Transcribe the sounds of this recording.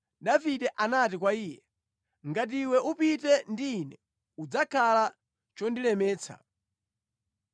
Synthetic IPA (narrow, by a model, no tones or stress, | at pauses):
daviɗɛʔanatikwaiːjɛ | ŋɡat̬iwɛʔupitɛndiːnɛ | ud͡zakʰala | t͡ʃɔndilɛmɛːt͡sʰa̰